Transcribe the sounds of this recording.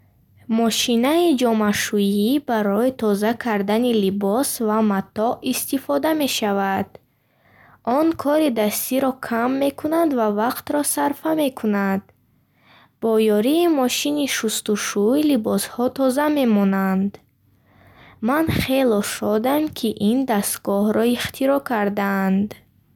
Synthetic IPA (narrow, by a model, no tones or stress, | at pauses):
mɔʃinaid͡ʒɔmaʃujibaɾɔit̪ʰɔzakʰaɾd̪anilibɔsvamat̪ɔist̪ifɔd̪ame̞ʃavad̪̥ | ʔɔŋkʰɔɾid̪ast̪iɾɔkʰamːe̞kʰunand̪vavaqt̪ɾɔsaɾfame̞kʰunad̪ | bɔjɔɾiːmɔʃiniʃust̪uʃuilibɔshɔt̪ʰɔzame̞mɔnand̪ | manχe̞lɔʃɔd̪amkʰiʔind̪ast̪ɡɔhɾɔiχt̪ʰiɾɔkʰaɾd̪aːnd̪